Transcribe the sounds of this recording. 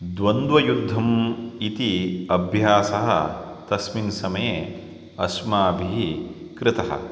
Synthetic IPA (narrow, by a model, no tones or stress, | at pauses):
d̪ʋɐnd̪ʋɐjud̪ʱːɐmit̪iɐbʱjaːsɐɦɐ̰ | t̪ɐsminsɐmɐje | ɐsmaːbʱiɦi | kɾɪt̪ɐɦɐ̰